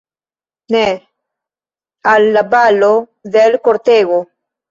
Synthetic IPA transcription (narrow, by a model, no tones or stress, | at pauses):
ne | alːabalo | ðelkoɾt̪eɣo